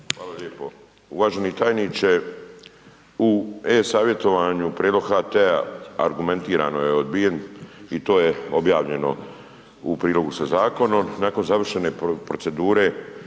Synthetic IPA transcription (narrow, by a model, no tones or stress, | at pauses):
xxaːlaʎeːpo̞ | uʋaːʒe̞nit̪aːjnit͡ʃe | uesaːʋje̞t̪o̞ʋaɲupɾied̪lo̞ɡhaːt̪ea̰a̰ɾɡume̞nt̪iːɾa̰ːno̞jeod̪̚bije̞nit̪o̞ːjeo̞bjaːʋʎe̞no̞̰ | upɾiːlo̞ɡusazaːko̞no̞mnaːko̞nzaʋr̩ʃe̞ne̞pɾo̞t̪se̞d̪uːɾe̞